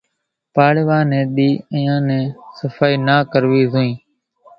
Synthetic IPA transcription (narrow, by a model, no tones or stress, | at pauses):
paːɽʋãːnɛ̃ːɗ̪iːəjãːnɛ̃ːsəfaːiːnaːkəɾʋiːzoːĩː